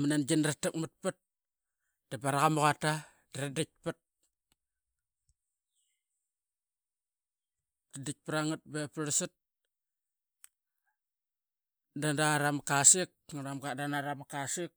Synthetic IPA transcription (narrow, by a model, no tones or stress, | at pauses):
manand͡ʒinɾatakmət̚pɨt̚ | d̥abaɾaɣamuɣata | daɾadik̚pɨt̚ | d̥adik̚pɾaŋɨt̚bepɾsɨt̚ | dandaɾamkasik̚ŋɾamɡadanaɾamakasik̚